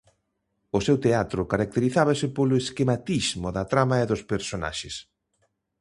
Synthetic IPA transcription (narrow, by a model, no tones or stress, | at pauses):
ʊsewt̪eat̪ɾʊkaɾak̚t̪eɾiθaβasɪpolʊeskemat̪izmoðɐt̪ɾamaeðʊspeɾsona̰ʃes